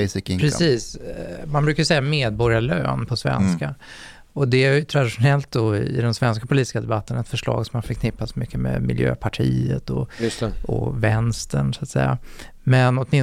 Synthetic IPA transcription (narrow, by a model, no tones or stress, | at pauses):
sɪkɪŋpɾɛsiːsmanbɾʉ̟kaɾjʏsɛjːameːd̪̚bɔɾjalø̰ːnpʰɔsvɛ̰nska | ɔd̪ɛæjʏt̪ʰɾad̪ɪʂʊnɛlt̪̚d̪ɔɪ̰d̪ɛmsvɛnskapʰʊliːt̪ɪ̥skad̪ɛbat̪ːənaɛt̪fœʂɭɑ̰ːɡsɔmhaɾfəɾkʰnɪpːat̪smʏkʰːəmɛ̰mɪ̰ljø̰ːpʰaʈʰḭːə̰t̪ɔjst̪ɛɔ̰vɛnst̪əɳsʊat̪sɛ̰jːa̰ | mɛnɔt̪mɪ